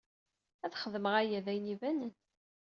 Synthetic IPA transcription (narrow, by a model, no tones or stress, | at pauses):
æðχəðəməʁæjæðæjnivænən